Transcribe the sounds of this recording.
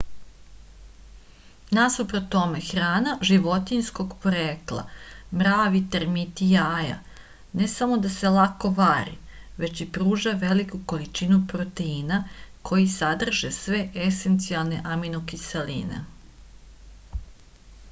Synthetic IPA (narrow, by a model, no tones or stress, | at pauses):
nasupɾot̪omexɾaːnaʒiʋo̞t̪insko̞ɡpoɾeːklˠa̰mɾaːʋit̪eɾmit̪ijaːja̰ | ne̞samo̞d̪ase̞lˠakoʋaːɾḭʋe̞t͡ʃipɾuːʒaʋe̞likuko̞lit͡ʃinupɾot̪e̞inakʰo̞jisad̪r̩ʒesʋe̞ʔese̞nt̪sialˠne̞ʔaminokiselḭːnḛ